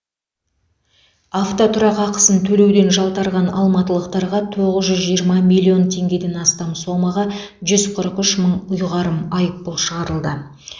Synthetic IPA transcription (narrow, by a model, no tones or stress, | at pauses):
aft̪ot̪ʰʊɾɑqɑqə̥sənt̪ʰɵle̞wd̪e̞nʒɑlˠt̪ɑɾʁɑnɑ̰lˠmɑt̪əlˠəq̚t̪ɑɾʁɑt̪ʰo̞ʁəzʒʏzʒijəɾmɑmʲilʲːio̞nt̪ʰe̞ŋɡʲe̞d̪e̞nɑst̪ɑmso̞mɑʁɑ | ʒʏzqʰəɾəqʏʃməɴʊjʁɑɾəmɑjəp̚pʊlˠʃəʁɑɾəlˠd̪ə